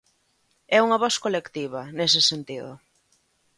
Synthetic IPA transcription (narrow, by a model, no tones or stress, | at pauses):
ɛuŋɐβɔskolekt̪iβɐnes̬ɪsent̪iðʊ